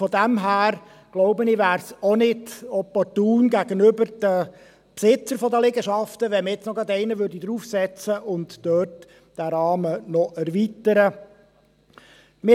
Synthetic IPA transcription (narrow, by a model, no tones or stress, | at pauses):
fɔd̪æmɦæːɾ | ɡ̥loʊbəniʋæːɾsɔnɪdɔpɔrtuːnɡæɡənʏbərd̥ə | psɪt͡səɾfɔdəlɛɡəʃɑft̪əʋɛməɪt͡snɔɡɑd̪ɛɪnəʋʏrdid̪ɾuːfsɛt͡səʔʊntd̥œːrt | d̥æɾɑːmənɔʔɛɾʋit̪əɾə | mɪ